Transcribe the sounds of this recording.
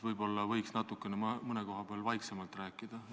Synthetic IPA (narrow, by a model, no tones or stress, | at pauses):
vɤjbo̞lːɑvɤjksnɑt̪ːˑukːˑe̞nemmɤne̞ko̞ɦɑb̥eɑlvɑjksemɑlt̪ræːkːˑid̪̥ɑ